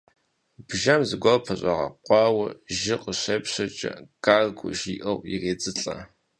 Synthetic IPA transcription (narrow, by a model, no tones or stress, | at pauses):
bʒɐmzɨɡʷɐpʰɐɕʼɐʁɐ̰qʷɑːwɐʒɪqʼəɕeːpɕɐt͡ʃʼɐ̰ɡ̥aːrɡʷʊ̰ʒiːʔɐwjḭreːt͡sʼɨɬʼɐ̰